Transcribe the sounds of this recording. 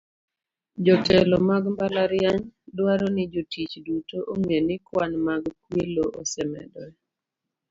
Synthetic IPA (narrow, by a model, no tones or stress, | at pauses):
d͡ʒɔtʰɛlɔmaɡmbalaɾjaɲdwaɾɔnɪd͡ʒotit͡ʃdutoʔoŋenɪkwanmaɡkweloʔosɛmɛ̰dɔɛ